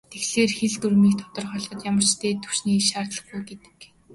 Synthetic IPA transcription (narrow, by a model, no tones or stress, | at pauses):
t̪ʰexɮeːrxeɮt̪uɾmiːkt̪ʰʊ̥t̪ɞ̆rχɔɮɞ̆t̪jamər̥t͡ɕt̪ʰeːt̪ʰu̥ʃniːiʃaːrt̪ɮə̆χɡujɡet̪ɘ̥̆k